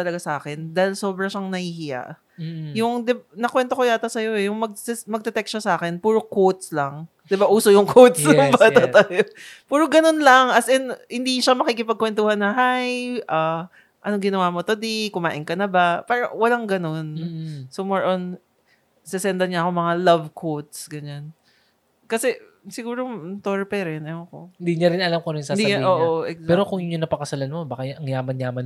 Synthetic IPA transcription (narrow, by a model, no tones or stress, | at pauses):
t̪ɐlɐɡasɐʔaːkɛnd̪aːhɪlso̞ːbɾɐʃɐŋnɐhiːhɪja̰ʔ | jʊŋd̪ɪbnɐkwɛnt̪okojaːt̪ɐsɐjo̞ʔɛjʊŋmɐɡ̚sɛmɐɡ̚d̪ɛt̪ɛk̚ʃasɐʔaːkɛnpuːɾo̞kowt̪̚slɐŋ | d̪ɪbaʔuːsojʊŋkʰowt̪̚sbaat̪ajopuːɾoɡɐno̞nlɐŋʔɐsɛnhɪnd̪iʃamɐkikɪpɐɡ̚kwɛnt̪uːhɐnːɐɦajʔa | ʔɐnoŋɡɪnɐwaːmot̪ɐd̪ikʊmaːʔɪŋkɐnɐbapaːɾɐwɐlaŋɡɐno̞nsomoɹʔon | sɛsɛnd̪ɐɲaɐko̞mɐŋalɐvkʰot̪̚sɡɐɲan | kɐsɛ | sɪɡuːɾot̪oɹpɛɾɛnɐjoɐkohɪnd̪iɲɐɾɪnɐlamkoɾɪnsɐd̪iʔoːʔoʔɛkzpɛːɾokʊŋjʊɲʊnɐpɐkɐsɐlɐnmobaːkɐjɐŋjaːmɐnjaːmɐn